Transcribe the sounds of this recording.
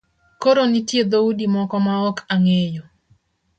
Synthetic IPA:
koɾonitjed̪audimɔkɔmaɔkaŋejo

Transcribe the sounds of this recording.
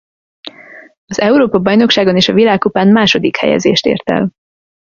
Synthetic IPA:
ɒzɛuɾoːpɒbɒjno̞kʃaːɡo̞neːʃɒvilaːkːupaːnmaːʃo̞d̪ikhɛ̰jɛ̰zḛːʃt̪ḛːrt̪ɛ̰l

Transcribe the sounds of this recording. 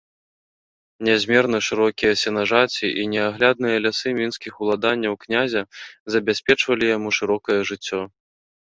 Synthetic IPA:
nʲɛzʲmʲɛrnɐʂɨɾɔkʲijɐsʲɛnaʐat͡sʲiʔinʲɛaɣlʲad̪nɨjɐlʲasɨmʲinskʲixulˠad̪anʲːɐwknʲazʲɐzɐbʲasʲpʲɛt͡ʂvɐlʲijamuʂɨɾɔkɐjɐʐɨt͡sʲːɔ

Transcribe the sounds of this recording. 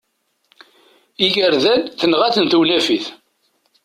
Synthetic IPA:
iʝəɾðænθənʁæθənt̪wnæfiθ

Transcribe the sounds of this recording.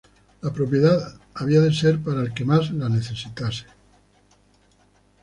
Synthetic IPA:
lapɾo̞pje̞ðaðaβ̞iaðe̞se̞ɾpaɾaelke̞mazlane̞θe̞sit̪ase̥

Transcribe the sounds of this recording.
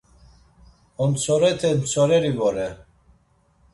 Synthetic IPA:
ɔnt͡sʰɔɾɛt̪ʰɛnt͡sʰɔɾɛɾivɔɾɛ

